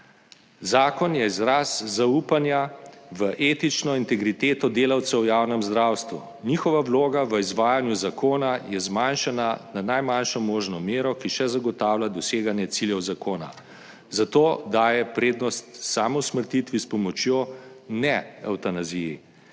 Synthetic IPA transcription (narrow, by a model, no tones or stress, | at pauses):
zaːkɔnjɛizɾaszauːpanjaʋəʔeːt̪it͡ʃnɔint̪ɛɡɾit̪eːt̪ɔd̪eːlawt̪sɛwjaːwnɛmzd̪ɾaːwst̪ʋṵ | nixɔʋawloːɡaʋəizʋaːjanjuzakoːnajɛzmanʃanananajmanʃɔmoːʒnɔmeːɾɔkiʃɛzaɡɔt̪aːwlʲad̪ɔseːɡanjɛt̪siljɛwzakoːna̰ | zat̪oːd̪aːjɛpɾeːd̪nɔst̪saːmɔwsməɾt̪it̪ʋispɔmɔt͡ʃjoːnɛa̰wt̪anaziji